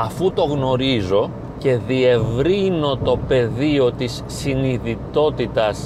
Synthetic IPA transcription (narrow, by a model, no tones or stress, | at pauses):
ɐfut̪o̞ɣno̞ɾizo̞ | ce̞ðie̞vɾino̞t̪o̞pe̞ðio̞t̪isːiniðit̪o̞t̪it̪ɐs